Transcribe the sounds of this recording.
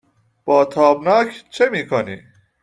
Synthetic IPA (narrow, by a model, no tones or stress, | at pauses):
b̥ɔːt̪ʰɑːbnaːkʰt͡ʃʰemiːkʰonḭ